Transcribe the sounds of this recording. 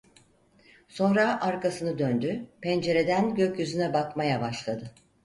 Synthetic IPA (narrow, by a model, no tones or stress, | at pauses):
so̞nɾaʔaɾkasɯnɯd̪ønd̪ypɛnd͡ʒe̞ɾe̞d̪ænɟø̞cjyzynɛbakmajabaʃlˠad̪ɯ